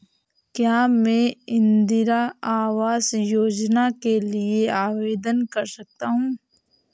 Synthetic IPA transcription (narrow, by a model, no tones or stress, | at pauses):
kjaːmɛ̃ːɪ̃nd̪ɪɾaaːʋaːzjoːd͡ʒnakelieaːʋeːd̪ənkɐɾsɐk̚t̪aɦũː